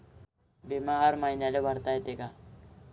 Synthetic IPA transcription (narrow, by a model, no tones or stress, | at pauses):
bimaɦəɾmaɦinjalobʱəɾt̪aːet̪eɡaː